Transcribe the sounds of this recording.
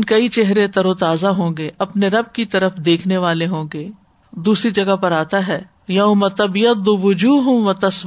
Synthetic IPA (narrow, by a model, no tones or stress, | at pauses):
nkɐit͡ʃeɦɾet̪ɐɾoːt̪aːzaɦõːɡeʔɐpneɾɐb̚kit̪ɐɾəfd̪eːkʰneʋaːleɦõːɡeː | d̪uːsɾid͡ʒɐɡapɐɾaːt̪aɦɛː | jɐʊmɐt̪ɐbjɐd̪ʊʋʊd͡ʒuːɦʊ̃ʋɐt̪ɐs